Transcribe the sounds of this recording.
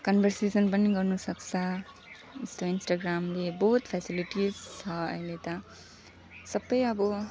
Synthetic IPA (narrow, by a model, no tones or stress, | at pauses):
kʌnbʱʌrsesʌnpʌniɡʌrnusʌkt͡sʰʌ | ist̪oinsʈaɡramleboɦt̪pʰasiliʈizt͡sʰʌʌ̰jlet̪ʌ | sʌbːʌjʌbʌ